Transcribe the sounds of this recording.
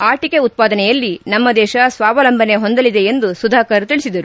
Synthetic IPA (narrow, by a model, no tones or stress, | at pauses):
aːʈikeut̪̚paːd̪ɐnɛjɐlːinɐmːɐd̪ɛːʃɐsʋaːʋɐlɐmbʱɐne̞ɦo̞nd̪ɐlid̪e̞end̪usud̪ʱaːkɐɾt̪iɭisid̪ɐɾu